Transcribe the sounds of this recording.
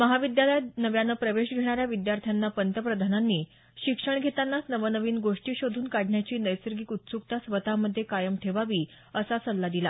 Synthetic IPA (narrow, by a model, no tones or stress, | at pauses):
məɦaʋid̪jaləjnəʋjanəpɾəʋeɕɡʱeɽ̃aɾjaʋid̪jaɾt̪ʰjanːapənt̪əpɾəd̪ʱananːiː | ɕikʂəɳɡʱet̪anːasnəʋənəʋiːnɡoʂʈiːɕod̪ʱuːnkaɽ̤ʱɳjat͡ɕiːnəjsəɾɡiːkut̪sukt̪asʋət̪aməd̪ʱːjekajəmʈʰeʋaʋiː | əsat͡səlːad̪ila